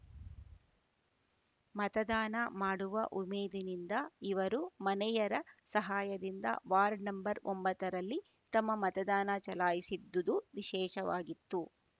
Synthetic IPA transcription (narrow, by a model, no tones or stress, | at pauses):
mɐt̪ɐd̪aːnɐmaːɽuʋɐʔumeːd̪inind̪ɐiʋɐɾumɐnɛjɐɾɐsɐɦaːjɐd̪ind̪ɐ̰ʋaːɾɖnɐmbɐɾombɐt̪ːɐɾɐlːi | t̪ɐmːɐmɐt̪ɐd̪aːnɐt͡ʃɐlaːjisid̪ːud̪uʋiʃɛːʃɐʋaːɡit̪ːu